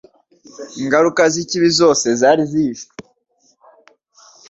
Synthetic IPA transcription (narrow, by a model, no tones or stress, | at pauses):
iŋɡaɾukaziciβizo̞ːse̞zaːɾiziːʃo